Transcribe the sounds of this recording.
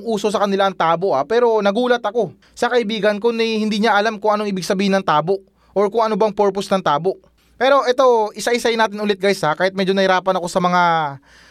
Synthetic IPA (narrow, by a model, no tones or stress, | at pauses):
ŋʔuːso̞sɐkɐnɪlaɐŋt̪aːbo̞ʔapɛːɾo̞nɐɡuːlɐt̪ɐko̞ | sɐkɐʔɪbiːɡɐnko̞nɛhɪnd̪iːɲaʔɐlamkʊŋʔɐnoŋʔɪbɪɡ̚sɐbiːhɪnɐŋt̪aːbo̞ʔ | ʔoɹkʊŋʔɐnobɐŋpɛɹposnɐŋt̪aːbo̞ | pɛːɾo̞ʔɛt̪o̞ʔɪsaʔɪsajɪnaːt̪ɪnʊlɛt̪̚ɡajsakaːhɪt̪̚mɛd͡ʒo̞nɐhɪɾaːpɐnɐko̞sɐmɐŋa